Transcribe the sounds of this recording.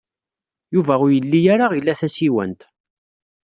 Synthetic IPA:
juvæʊɾjəlːijaɾaʁilːæθæsiwə̰nt̪

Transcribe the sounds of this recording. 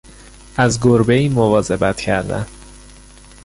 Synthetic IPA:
ʔæzɡoɾbeiːmovɒːze̞bæt̪cʰæɾd̪æ̰n

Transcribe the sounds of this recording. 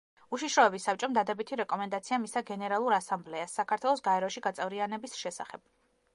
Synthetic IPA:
uʃiʃɾɔɛbisːap̚t͡ʃʼɔmd̪ad̪ɛbit̪ʰiɾɛkʼɔmɛnd̪at̪sʰiamisaɡɛnɛɾalˠuɾasamblɛasːakʰaɾt̪ʰwɛlˠɔsɡaɛɾɔʃiɡat̪sʼɛvɾianɛbisʃɛsa̰χɛb̥̚

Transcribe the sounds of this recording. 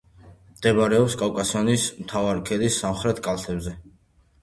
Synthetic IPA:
md̪̥ɛbaɾɛɔpskʼawkʼasɔnismt̪ʰavaɾikʰɛd̪isːamχɾɛt̪ʰkʼalˠt̪ʰɛbzɛ

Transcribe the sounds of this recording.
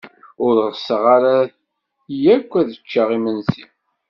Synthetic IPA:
ʊɾʁəsəʁaɾa | jækʷːæðət͡ʃːəʁimənzin

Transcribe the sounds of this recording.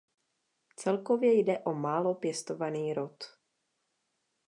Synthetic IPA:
t͡sɛlkovjɛjdɛʔomaːlo̞pjɛst̪ovaniːɾot̪

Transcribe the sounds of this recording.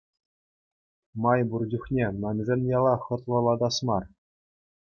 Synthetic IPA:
mɑjburd͡ʑuχnʲemʲɘ̆nʲzʲɘnʲjɑlˠɑχɤ̆t̪lˠɤ̆lˠɑd̪ɑsmɑr

